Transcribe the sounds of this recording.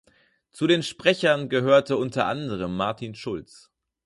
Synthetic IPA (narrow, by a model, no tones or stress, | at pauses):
t͡sudeːnʃpʁ̥ɛçɐnɡəɦøːɐtəʊntɐʔa̰ndəʁ̞əmːaɐtʰiːnʃʊlt͡s